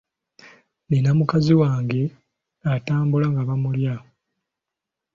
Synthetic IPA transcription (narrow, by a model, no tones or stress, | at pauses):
ninamukaziwaːŋɡe̞ | ataːmbulaŋɡaβamulja